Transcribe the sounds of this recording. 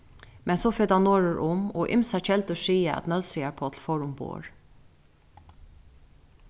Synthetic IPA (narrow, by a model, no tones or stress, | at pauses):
mɛnsoːfɪd̪anoːɹəɹʔʊmɔ̰ʔɪ̰msat͡ʃʰɛlt̪əʂiːaʔæ̰t̪nœlsɪaɹpʰoːt̪ʰl̩fɔɹʊmpo̰ːɹ